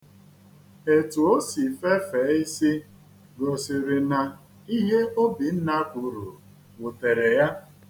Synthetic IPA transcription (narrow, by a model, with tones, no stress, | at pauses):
e˨tu˨o˦si˨fe˦feː˨˦i˦si˦ | ɡo˨sɪ˨ɾɪ˨na˨ | i˦ɦe˦o˦bi˨n̩˦na˦ku˨ɾṵ˨ | wʊ˨te˨ɾe˨ja˦